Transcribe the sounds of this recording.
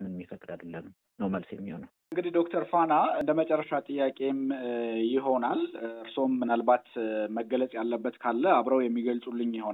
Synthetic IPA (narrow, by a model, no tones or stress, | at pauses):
mɨnmːifəkʼd̪ad̪əlːəm | nəwməlsjɛmːihonəwʔɨŋɡɨd̪ihd̪o̞kt̪ʰəɾfanaɨnd̪əmət͡ʃʼɛrːəʃat̪ʼɨjːakʼe̞mjɪɦo̞nalɨɾso̞mːɨnalbat̪məɡːələt͡sʼjalːəbːət̪kʰalːəaβɾəwjɛmːiɡəlsʼulːɨɲjɪho̞na